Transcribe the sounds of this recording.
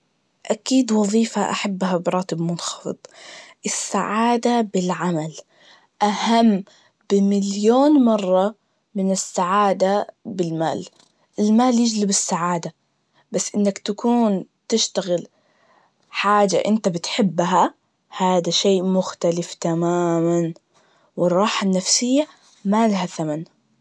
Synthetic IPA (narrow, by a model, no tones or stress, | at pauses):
ʔakiːd̪wɑðˤiːfaʔa̰ħabːɦabɾˤɑːt̪ɪbmʊnxɑ̥fɨ̰d̪ˤʔɪsːaʕaːd̪abɪlʕamal | ʔahamː | bɪmɪljoːnmɑrˤːɑ | mɪnɪsːaʕaːd̪abɪlma̰ːl | ɪlmaːljɪd͡ʒlɪbɪsːaʕaːd̪a | basːʔɪnːakt̪akʰuːnt̪ɪʃt̪aɣɪl | ħaːd͡ʒa̰ʔɪnt̪abɪt̪ħɪbːɦa | haːd̪aʃeːʔmʊxt̪alɪft̪amaːman | wɪrˤɑːħanːafsɪjːa | malaɦaθaman